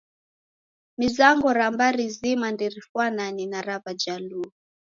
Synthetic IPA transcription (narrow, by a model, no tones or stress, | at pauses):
mizaŋɡɔɾambaɾizimandiɾifwananinaɾavad͡ʒalu